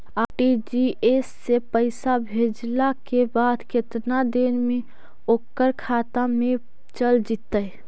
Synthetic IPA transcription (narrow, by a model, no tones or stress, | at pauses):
aʈid͡ʒiesːepəɪsabʱed͡ʒlakebad̪ket̪nad̪enme | okːəɾkʰaːt̪amẽ | t͡ʃəld͡ʒit̪ːəj